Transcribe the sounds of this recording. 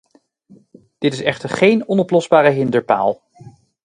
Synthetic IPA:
d̥ɪtɪsɛχtəɹχejnɔnɔplɔzbaːɾəɦɪndəɹpa̰ːlˠ

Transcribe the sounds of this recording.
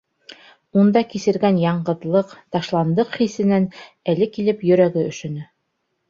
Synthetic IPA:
und̪ɑkisɘ̆ɾɡænjɑɴɢɤ̆ðlˠɤqt̪ɑʃlˠɑnd̪ɤqχisɘ̆næn | ælɘkilɘpjɵ̆ɾæɡɘɵ̆ʃɵ̆nɘ

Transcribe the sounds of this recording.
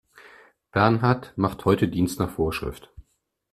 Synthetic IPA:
b̥ɛɐnɦaɐtmaχthɔʏtədiːnstnaːχfoːɐʃʁ̥ɪ̰ft

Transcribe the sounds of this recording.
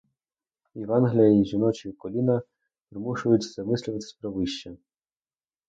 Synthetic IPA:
iʋɑnɦlʲijɐiʒʲinɔt͡ʃikɔlʲinɐ | pɾɪmuʃʊjʊt͡sʲzɐmɪsʲlʲʊʋɐt̪ɪ̥sʲpɾɔʋɪʃt͡ʃɛ

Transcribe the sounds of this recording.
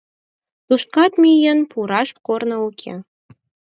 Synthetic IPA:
t̪uʃkɑt̪mʲijənpʰuɾɑʃkornɤukʲʰḛ

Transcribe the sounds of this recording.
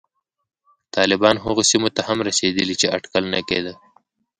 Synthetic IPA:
t̪ɑlɪbɑnɦʊɣosimot̪ahamɾased̪əlit͡ʃeaʈkəlnakḛd̪ə

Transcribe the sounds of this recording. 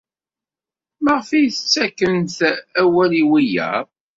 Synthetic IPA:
məʁfijθət͡sːækːənθæwæliwijæ̰

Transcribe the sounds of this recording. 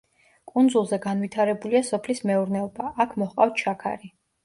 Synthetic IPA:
kʼund̪zulˠzɛɡanvit̪ʰaɾɛbuliasɔpʰlismɛuɾnɛɔbaʔakʰmɔχqʼaft̪ʃʰakʰa̰ɾi

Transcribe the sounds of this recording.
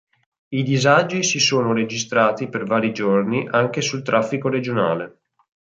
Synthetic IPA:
id̪izad͡ʒisisoːnoɾed͡ʒist̪ɾaːt̪ipervaːɾid͡ʒorniʔaŋkesult̪ɾafːikoɾed͡ʒona̰ːle

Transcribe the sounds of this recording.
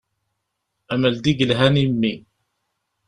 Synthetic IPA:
æmæld̪iɡəlɦænimːi

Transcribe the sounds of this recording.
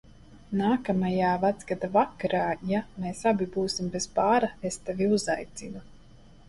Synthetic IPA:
naːkamajaːvat̪zɡad̪avakaɾaːjameːsabibuːsimbezpaːɾaest̪evʲiuzajt̪sinu

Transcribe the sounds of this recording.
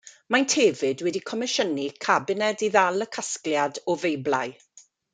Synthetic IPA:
majntʰeːvɪdwɛdikʰɔmɪʃənikʰabɪnɛdiðalˠəkʰaskljadɔvejblaj

